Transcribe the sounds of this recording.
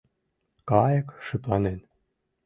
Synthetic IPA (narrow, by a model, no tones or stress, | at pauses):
kɑjə̆kʃyplɑnen